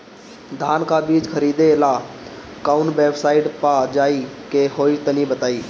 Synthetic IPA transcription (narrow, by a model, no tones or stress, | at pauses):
d̪ʱaːnkabiːd͡ʒkʰəɾiːd̪ela | kaːʊnbeːbsaːɪɖpad͡ʒaːikeɦoːit̪ənibət̪aːiː